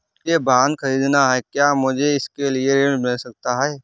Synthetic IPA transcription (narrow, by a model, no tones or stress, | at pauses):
ebaːnd̪kʰɐɾiːd̪naɦɛːkjaːmʊd͡ʒʱeɪskelieɾeɽmɪlsɐk̚t̪aɦɛː